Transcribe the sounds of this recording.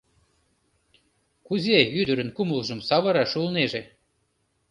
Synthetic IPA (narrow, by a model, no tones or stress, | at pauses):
kuzeyd̪əɾə̆nkuməlʒə̆msɑβɤɾɑʃulneʒe